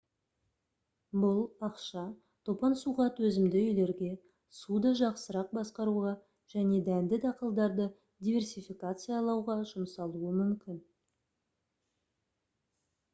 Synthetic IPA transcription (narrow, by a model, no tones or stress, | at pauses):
bʊlˠɑqʃɑ | t̪ʰo̞pɑnsuʁɑt̪wɵzɪmd̪ɪʏjle̞ɾɡʲe̞ | sud̪ɑʒɑqsəɾɑq̚bɑsqɑɾuʁɑ | ʒ̥æne̞d̪ænd̪ɪd̪ɑqəlˠd̪ɑɾd̪ə | d̪ijvʲe̞rsijfikat̪sɨjaɑlˠɑwʁɑʒʊməsɑlˠuəmʏmkʲɪn